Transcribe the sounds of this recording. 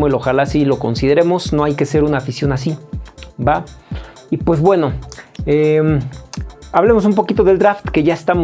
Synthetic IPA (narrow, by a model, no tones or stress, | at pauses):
elo̞xalasilo̞ko̞nsið̞e̞ɾe̞mo̞sno̞ajke̞se̞ɾunaːfisjo̞nas̬iba | ipwe̞zbwe̞no̞em | aβle̞mo̞s̬umpo̞kit̪o̞ðe̞ld̪ɾaft̪ke̞ʝaest̪amo